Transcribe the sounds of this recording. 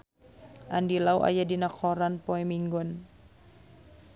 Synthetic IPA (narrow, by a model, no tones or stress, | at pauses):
ʔandilawʔa̰jadinakʰɔɾanpɔɛmiŋɡɔn